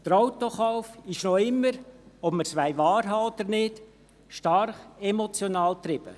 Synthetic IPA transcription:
d̥̪əɾawt̪oχawfɪʃnɔɪmːəɾɔb̥məɾsʋæɪʋɑːɾɦɑɔd̥̪əɾnɪd | ʃtɑrχɛmɔt͡sjonɑːlt̪ɾɪb̥ə̰

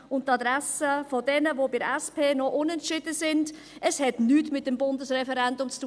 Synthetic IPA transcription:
ʊnttːɑdɾɛsəfɔdɛnəvoːbɪɾɛspʰeːnɔʔʊnɛntʃɪdəsɪnd | əshɛtnyːtmɪt̚d̥ɛmbʊndəsʁɛfɛɾɛndʊmt͡stuː

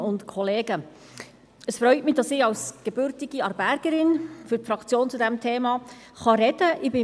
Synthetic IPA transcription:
ʊntkʰɔleːɡ̥ə | əsfɾœʏtmɪd̥ɑsɪçɑlsɡ̥ɛbʏɾtɪɡ̥iɑɾbæɾɡ̥əɾɪnfyɾfɾɑkt͡sjoːnt͡sudɛmtʰeːmɑ | χɑɾɛdəʔɪbɪ

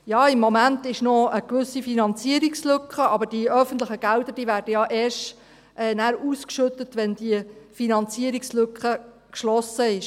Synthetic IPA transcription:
jɑːɪmːɔmæntɪʃnoəkʋʏsːifinɑnt͡siəɾikslʏkχəʔɑbəɾd̥iœfən̩t̪ləχəɡ̥æwdəɾd̥iːʋæːɾdəjɑʔɛːʃt | ʔɛːnæːɾuːskʃʏt̪ətʋɛnd̥iəfinɑnt͡siəɾikslʏkχə | kʃlɔsəɪʃ

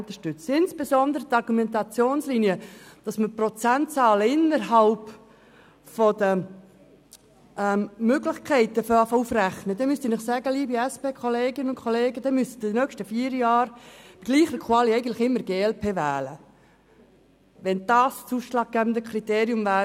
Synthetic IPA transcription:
ntəʃtʏt͡sɪnsb̥esɔnd̪əɾət̪ɑɾɡumɛnt̪ɑt͡sjoːnsliniəd̥ɑsməprɔt͡sæntt͡sɑːləɪnːəɾɦɑlp | fɔd̥̪ə | ʔɛmmøɡlɪχkʰɛɪt̪əfɔɑfufræχnəd̪ɛmyst̪inɪχsæɡəliːbiɛspeːkʰɔleːɡɪnəʊnkʰχoleːɡəd̥ɛmyst̪əd̥inœkʃtəfiːɾjɑːɾb̥iɡ̥liːχəkʰwɑliɛɪɡən̩tlɪχɪmːəɾɡeːɛlpʰeːvæːlə | ʋɛnd̥ɑːst͡suːsʃlɑːɡ̚ɡ̥æbən̩d̪əkʰrit̪eːɾjʊmvæː

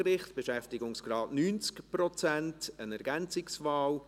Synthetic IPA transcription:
ɾɪχtb̥eʃɛftɪɡʊŋsɡ̥ɾɑːtnyːnt͡skpɾɔt͡sæntənɛɾɡænt͡sɪksvaːl

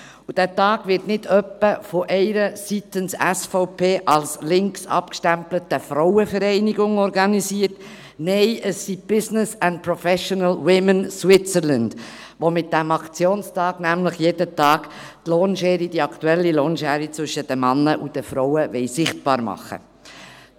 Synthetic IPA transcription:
ud̥æːtɑːɡ̥ʋɪɾtnɪdœpːəfoʔɛɪɾəsit̪ənsɛsfoʊpʰeːʔɑlslɪŋksɑ̰pkʃtæmplətəfɾɔʊəfəɾɛɪniɡʊŋɔɾɡɑnisiːəɾt | nɛɪʔəsːib̥ɪsnəsænt̚pɾɔfɛʃɔnəlwɪmənswɪt͡səɾlənd̥ | ʋomɪt̚d̥æmɑkt͡sjoːnstɑːɡ̥næmləχjeːdətɑːɡ̥ | tloːnʃɛːɾid̥iɑktuɛlːiloːnʃɛːɾit͡sʋʏʃəd̥əmɑnːəʔud̥əfɾɔwəʋɛɪsɪχt̚b̥ɑ̰ːɾmɑ̰χːə̰

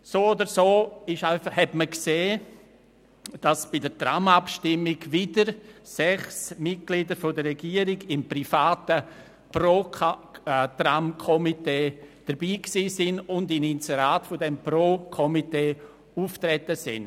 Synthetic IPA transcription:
soːodəɾsoːɪʃaɪfhɛtməkseː | d̥ɑsb̥ɪdətramapʃtɪmɪɡʋɪdəɾsɛχsmɪt̚ɡ̥lidəɾfodərɛɡiːəɾɪɡɪmprifaːtə | pro | tramkʰɔmiteːd̥əɾbiːksiːsɪnʊndɪninsɛɾaːtfʊdɛmproːkʰɔmiteː | uːftɾɛtəsɪ̰n

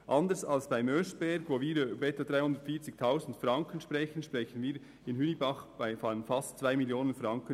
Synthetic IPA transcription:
ʔɑndəsɑlsb̥aɪmœsb̥ɛɾɡvoːviːɾybbɛtod̥ɾaɪhʊndətfiːt͡sɪk̚tʰaʊsn̩tfɾɑŋkənʃprɛçən̩ʃpʁɛçənviːɾ | ɪnhynibɑχb̥aɪfɑənfɑstt͡svaɪmiljoːnənfrɑŋkən

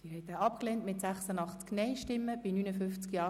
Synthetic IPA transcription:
ɪhɛɪt̪aɑp̚kleːntmɪtsæχsənɑχt͡sknɛɪʃtɪmːəb̥inyːnəfʏnft͡skjɑː

